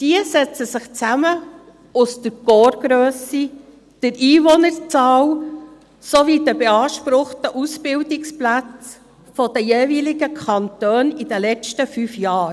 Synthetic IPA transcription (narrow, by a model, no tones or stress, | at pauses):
d̥iəsɛt͡səsɪχt͡sæmə | ʊstəɾɡ̥oːɾɡ̥ɾøːsi | d̥əɾiːvɔnəɾt͡sɑːw | soʋid̥əbɛɑːʃpɾʊχtəʔusb̥ɪwdɪksplæt͡s | fɔd̥əjeːvilɪɡəkʰɑntøːnid̥əlɛt͡ʃtəfyfjɑː